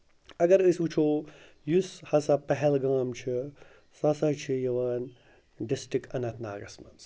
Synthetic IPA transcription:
ɐɡɐɾəsut͡ʃʰoː | jushɐsapɐɦɛlɡaːmt͡ʃʰi | sɐsat͡ʃʰijɐʋaːn | ɖɪsʈɾikɐnɐt̪ʰna̰ːɡɐ̰smɐns

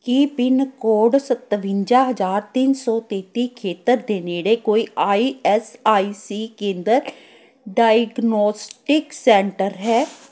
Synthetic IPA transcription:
kipɪnkoːɖsət̪ʋɪ̃ɲd͡ʒãːɦəd͡ʒaːɾt̪ɪnsɔːt̪eːt̪iːkʰeːt̪əɾd̪eːneːɽeːkoːiːʔaːiːɛsaːiːsiːkẽːnd̪əɾ | ɖaːjɡnɔːsʈɪksɛːɳʈəɾɦɛː

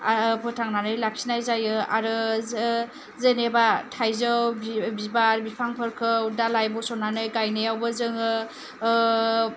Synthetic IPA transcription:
apʰɯtʰaŋnanɯjlak̚sinajzajɯa̰ɾɯ | zenebatʰajzɯwbbibaɾbipʰaŋpʰɯɾkʰɯwdalajbɔsɔnanɯjɡajnɯjawbɯzɯŋɯ

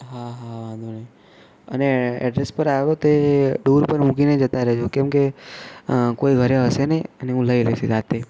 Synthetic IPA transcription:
ɦaɦaʋãnd̪ʱune | əneɛ̰ɖɾespəɾaʋot̪oeɖuɾpəɾmũkined͡ʒət̪aɾəɦet͡ʃʰokɛ̃mke | koiɡʱəɾeɦəseneəneɦũləilesezat̪e

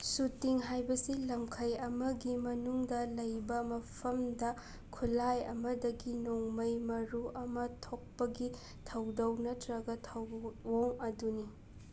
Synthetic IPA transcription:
sutiŋɦajbɐsilɐmkʰɐjɐmɐɡimɐnuŋdɐlɐjbɐmɐpʰɐmdɐ | kʰulajɐ̰mɐdɐɡinoŋmɐjmɐɾuʔɐmɐtʰok̚pɐɡi | tʰɐwdɐwnɐtɾɐɡɐtʰɐwːoŋɐduni

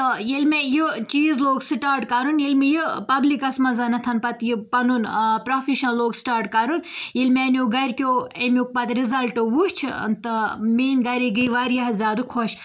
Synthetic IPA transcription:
t̪ɐjelmejit͡ʃiːzloːɡsiʈaːɾʈkɐɾunjelmijipɐblikɐsmɐnzɐnɐt̪ʰɐnpɐt̪jipɐnunpɾofʰiʃnɐloːɡsʈaːɾʈkɐɾunjelmenjoɡɐɾʲkʲoːemʲuk̚pɐt̪ɾizɐlʈoʋuʃt͡ʃʰnt̪ɐmiːnɡɐɾiɡɐjʋaɾjɐɦzʲaːd̪ukʰoʃ

